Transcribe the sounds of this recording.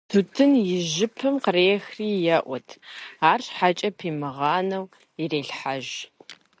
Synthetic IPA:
tʰutʰɨnjɪʒɪpʰɨmqəreːxriːjɐʔʷɔtʰaːrɕħat͡ʃʼɐpʰiːmɨʁɑːnɐw | ireːɬħaʒ

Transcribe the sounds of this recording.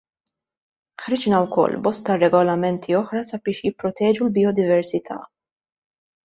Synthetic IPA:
ħɾɪd͡ʒnɐwkɔ̰lːbɔst̪ɐrɛɡɔlɐmɛnt̪ʰiɔħɾɐsɐbɪːʃjɪpːɾɔt̪ɛːd͡ʒulbiɔd̪ɪvɛɾsɪt̪ʰɐ̰ː

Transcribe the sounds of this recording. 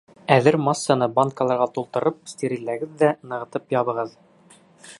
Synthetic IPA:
æðɘɾmɑsːanɤbaŋkalˠɑɾʁɑt̪ulˠt̪ɤ̆ɾɤp̚st̪iɾilːæɡɘðːænɤ̆ʁɤ̆t̪ɤpjɒβɤ̆ʁɤð

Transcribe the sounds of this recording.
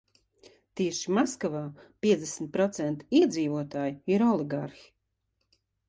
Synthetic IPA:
t̪iɛʃimaskavaːpʲiɛzd̪esn̩t̪̚pɾɔt̪sɛnt̪i̥iɛd̪ziːvuɔt̪aːjiiɾɔliɡaɾxi̥

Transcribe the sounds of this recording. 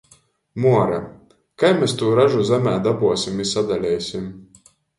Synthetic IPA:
muɔɾa | kajmʲest̪uːɾaʒuzæmʲæːd̪abuɔsʲimisad̪alʲɛjsʲim

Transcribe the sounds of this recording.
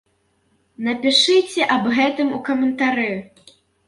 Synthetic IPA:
nɐpʲiʂɨt͡sʲɛʔɐbɣɛt̪ɨmukɐmʲɛnt̪aɾɨ

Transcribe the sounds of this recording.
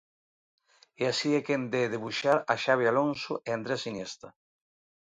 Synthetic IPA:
easiɛkend̪eðeβuʃaɾaʃaβ̞ealonsʊʔeand̪ɾesinest̪ɐ

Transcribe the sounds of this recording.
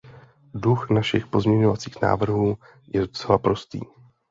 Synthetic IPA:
duxnaʃɪxpo̞zmɲɛɲovat͡siːxna̰ːvr̩ɦuː | jɛdot͡sɛlapɾo̞st̪ḭː

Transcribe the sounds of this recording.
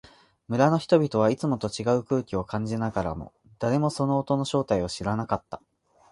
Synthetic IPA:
mɯ̟ɾano̞çi̥t̪o̞bʲit̪o̞β̞ait͡sɨmo̞t̪o̞t͡ɕiɡaɯ̟kɯ̟ːkʲio̞kãɲ̟d͡ʑinaɡaɾa̰mo̞̰ | d̪̥aɾe̞mo̞so̞no̞ːt̪o̞no̞ɕo̞ːt̪aioɕiɾanakat̪ːḁ

